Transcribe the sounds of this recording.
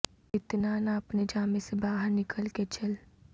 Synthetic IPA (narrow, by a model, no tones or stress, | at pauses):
ɪt̪naːnaɐpned͡ʒaːmẽsebaːɦəɾnɪkʰəlket͡ʃɐl